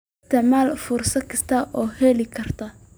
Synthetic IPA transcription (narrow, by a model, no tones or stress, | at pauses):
t̪ʰɐmaːlfʊrsɐkʰɐst̪ʰaʔɔːhɛlɪkʰɐrt̪ʰɐ